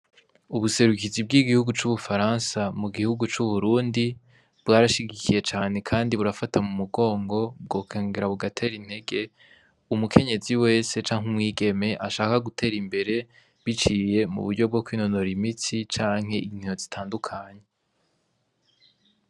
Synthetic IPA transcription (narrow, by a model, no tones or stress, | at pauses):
uβuse̞ɾukizib̚ɡiɡihuɡut͡ʃuβufaɾaːnsamuɡihuɡut͡ʃuβuɾuːndi | b̥ɡaːɾaʃiɡikʰije̞t͡ʃaːne̞kʰaːndiβuɾafatamumuɡo̞ːŋɡo̞b̚ɡo̞ːkʰeːŋɡeɾaβuɡatʰe̞ːɾin̥he̞ɡe̞ | umukʰe̞ɲe̞ziwe̞ːse̞t͡ʃaːŋhumŋiːɡe̞me̞ʔaʃaːkaɡutʰe̞ːɾimbe̞ɾe̞ | βit͡ʃiːje̞mṵβuɾɟo̞b̚ɡo̞kwiːno̞noɾimit͡sit͡ʃaːŋ̥ɦe̞ʔin̥ijo̞zitʰaːndukʰaɲe̞